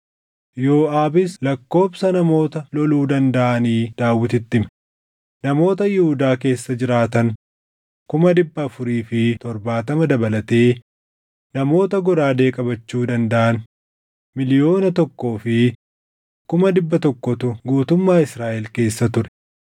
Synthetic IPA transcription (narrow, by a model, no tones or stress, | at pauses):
jo̞ːʔaːbɪslɐkːo̞ːbsɐnɐmo̞ːt̪ɐlɔluːd̪ɐnd̪ɐʔɐniːd̪̥aːwːɪt̪ɪt̪ːɪmɛ̥ | nɐmo̞ːt̪ɐjɪhʊd̪aːk̬e̞ːsːɐd͡ʒɪɾaːt̪ɐn | kʊmɐd̪ɪbːɐːfʊɾiːfɪt̪ɔɾbaːt̪ɐmɐd̪ɐbɐlɐt̪e̞ː | nɐmo̞ːt̪ɐɡɔɾaːd̪e̞ːkʼɐbɐt͡ʃːuːd̪ɐnd̪ɐʔɐn | mɪlɪjo̞ːnɐt̪ɔkːo̞ːfɪ | kʊmɐd̪ɪbːɐt̪ɔkːɔt̪ʊɡuːt̪ʊmːaːɪsɾaːʔɛlke̞ːsːɐt̪ʊɾɛ̥